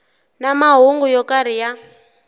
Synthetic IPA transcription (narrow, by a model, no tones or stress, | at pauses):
namaɦuŋɡujɔkaɾija